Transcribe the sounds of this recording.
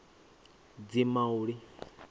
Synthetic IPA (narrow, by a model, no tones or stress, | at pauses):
d͡zimauɺi